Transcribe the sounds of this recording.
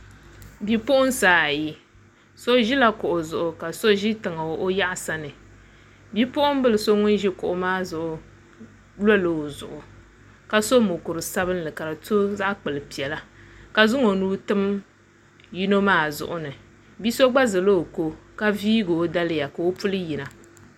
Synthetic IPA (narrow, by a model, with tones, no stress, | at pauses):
bi˦pʊ˦ʔʊ˦n˦saː˦a˨ji˦ | so˦ʒi˦la˦kʊ˨ʔʊ˨zʊ˨ʔʊ˨ka˨so˦ʒi˦tɨ˨ŋa˨o˦ʔo˦ja˦ʔa˨sa˦nɨ˨ | bi˦pʊ˦ʔʊ˦m˦bɨ˦lɨ˨so˦ŋʊ˦n˦ʒi˦kʊ˨ʔʊ˨maː˦zʊ˨ʔʊ˨ | lo˦lɨ˨o˨zʊ̰˨ʔʊ˨ | ka˦so˦mʊ˨kʊ˨ɾɨ˨sa˦βɨ˦n˦lɨ˨ka˨ɾa˨tu˦za˦ʔk͡pɨ˨lɨ˨pi˨ɛ˨la˦ka˨zʊ˦ŋo˨nuː˦tɨ˦m | ji˦no˦maː˦˨zʊ̰˨ʔʊ˨nɨ˨ | bi˦so˦ɡ͡ba˦zɨ˨lo˦o˨ko˦ka˦viː˦ɡoː˨˦da˦lɨ˦ja˨ka˨o˦pu˦lɨ˦ji˨na˨